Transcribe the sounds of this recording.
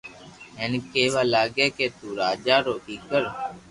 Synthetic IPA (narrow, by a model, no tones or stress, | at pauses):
ɦeːnkeːʋaːlaːɡeːkeːt̪uːɾaːd͡ʒaːɾoːbiːkəɾ